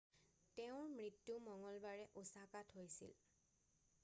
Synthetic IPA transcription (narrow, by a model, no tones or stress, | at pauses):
tɛʊ̃ɹmɹitːumɔŋɔlbaɹɛʔusakatɦojsḭl